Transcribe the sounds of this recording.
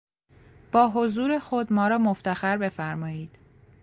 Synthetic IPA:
b̥ɒːɦo̞zuːɾe̞xod̪mɒːɾɒːmoft̪ʰæxæɾbe̞fæɾmɒːjiːd̪̥

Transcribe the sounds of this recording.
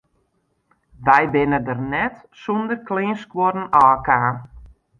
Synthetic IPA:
ʋɛjbɪnədərnɛt | sondərklɪːnskwɔrn̩aːkaː

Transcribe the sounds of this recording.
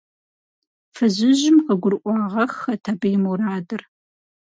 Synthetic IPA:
fɨʑɪʒɪmqəɡʷʊrʔʷɑːʁɐxɐtʰɐbɐjmuraːdɨr

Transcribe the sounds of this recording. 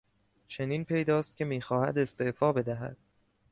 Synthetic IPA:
t͡ʃʰe̞niːnpʰe̞jd̪ɒːst̪̚cʰe̞miːxɒːhæ̰d̪e̞st̪e̞ʔfɒːbe̞d̪æɦæ̰d̪̥

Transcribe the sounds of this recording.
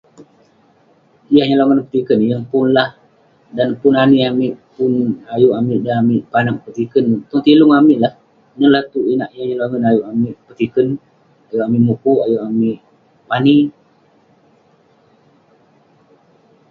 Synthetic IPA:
jahɲəlaŋənpət̪ikənjaŋpʊnlah | danpʊnaniamɪʔpʊnajuʔamɪʔdanamɪʔpanak̚pət̪ikənt̪ɔŋt̪ilʊŋamɪʔlah | nəlat̪uinaʔjahɲəlaŋənajuʔamɪʔpət̪ikən | ajuʔamiʔmukuajuʔamiʔ | pani

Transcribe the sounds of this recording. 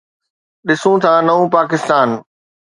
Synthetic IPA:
ɗɪsũt̪ʰãnɐʋũpaːkɪst̪aːn

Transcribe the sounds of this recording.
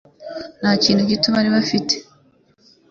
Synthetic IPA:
n̥haːciːnhuɟiːtuβaɾiβafite̥

